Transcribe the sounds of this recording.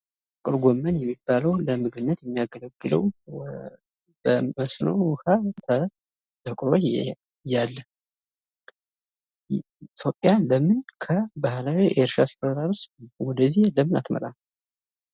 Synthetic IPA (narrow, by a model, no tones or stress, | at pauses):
kʼɨɾɡomːənjɛmːibːaləwləmɨɡɨbɨnːət̪jɛmːijaɡələɡːɨlə̰w | bəməsno̞̰what̪ʰə | t̪əkʼɾo | jalːə | it̪ʰjo̞pʼːjaləmɨnkʰəbahlawiʔeɾʃast̪ʰəd̪aɾswɔd̪əzːihləmːɨnat̪mə̰t̪ʼan